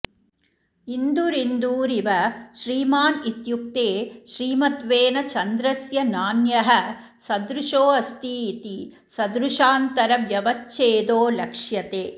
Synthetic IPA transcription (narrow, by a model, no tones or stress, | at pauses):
ind̪uɾind̪uːɾiʋɐʃɾiːmaːnit̪juk̚t̪eːʃɾiːmɐt̪ʋeːnɐt͡ʃɐnd̪ɾɐsjɐnaːnjɐɦɐ | sɐd̪ɾuʂoːɐst̪iːt̪i | sɐd̪ɾuʂaːnt̪ɐɾɐʋjɐʋɐtt͡ʃeːd̪oːlɐkʂjɐt̪eː